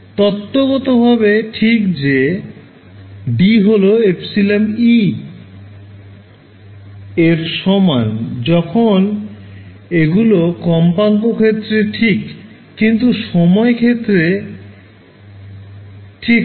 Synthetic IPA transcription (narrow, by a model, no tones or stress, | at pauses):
t̪ɔt̪ːoɡɔt̪obʱabeʈʰikd͡ʑe | ɖiɦoloepsilemi | eɾʃɔmand͡ʑɔkʰon | eɡulokɔmpaŋkokʰet̪ːɾeʈʰikː | int̪uʃɔmɔekʰet̪ːɾe | ʈʰik